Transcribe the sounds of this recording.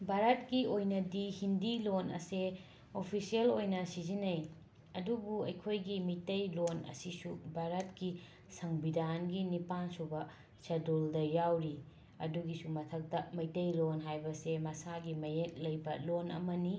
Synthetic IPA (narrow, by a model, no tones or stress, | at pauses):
bʱaɾɐtɡiojnɐdihindilonɐ̰se | opʰisielojnɐsizinɐj | ɐdubuɐjkʰojɡimitɐjlonɐ̰sisubʱaɾɐtɡi | sɐŋbidanɡinipansubɐ | sɐdoldɐjawɾi | ɐ̰duɡisumɐtʰɐk̚tɐmɐjtɐjlonɦajbɐsemɐsaɡimɐjek̚lɐjbɐlonɐ̰mɐni